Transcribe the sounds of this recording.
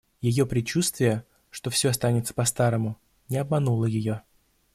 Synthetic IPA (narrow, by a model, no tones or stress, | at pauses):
jɪjo̞pɾʲɪt͡ɕust̪vʲɪjə | ʂt̪o̞fsʲo̞ɐst̪anʲɪt̪sə̥pɐst̪aɾəmʊ | nʲɪɐbmɐnulˠəjɪjo̞